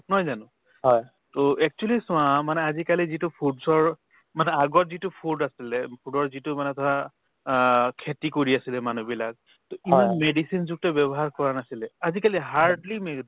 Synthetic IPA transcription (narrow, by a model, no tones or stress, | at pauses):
nɔjzanʊ̃ | ɦɔj | toɛk̚t͡ʃualisʊ̃ãmanɛazikalizitʊpʰudsɔɹ | manɛaɡɔtzitʊpʰudasilɛpʰudɔɹzitʊmanɛtʰɔa | kʰːetikoɹiasilɛmanubilak̚ | toimanmedisinzuɡ̚tɔbɛbɔɦaɹkɔɹanasilɛazikaliɦaɹdlime